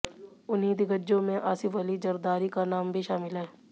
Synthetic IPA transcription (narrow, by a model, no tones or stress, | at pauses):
ʊnɦid̪iɡəd͡ʒõmẽʔaːsɪfəlizɐɾd̪aːɾikanaːmbʱiʃaːmɪlɦɛː